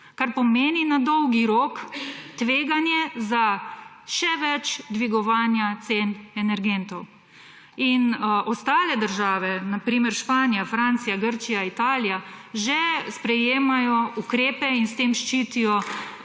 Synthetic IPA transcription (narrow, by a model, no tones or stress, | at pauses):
kaɾpɔmeːninad̪ɔwɡiɾoːkt̪ʋeːɡanjɛza | ʃɛʋɛt͡ʃd̪ʋiɡɔʋaːnjat̪seːnɛnɛɾɡɛnt̪ɔw | inʔɔst̪aːlɛd̪əɾʒaːʋɛnapɾiːmɛɾʃpaːnijafɾant̪sijaɡəɾt͡ʃijait̪aːlijaʒɛspɾɛjeːmajɔukɾeːpɛinst̪eːmʃt͡ʃiːt̪ijɔ